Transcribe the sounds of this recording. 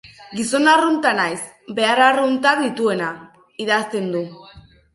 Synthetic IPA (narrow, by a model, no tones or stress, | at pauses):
ɡiso̞narunt̪anajs | be̞aɾarunt̪aðit̪ue̞na | iðast̪e̞nd̪u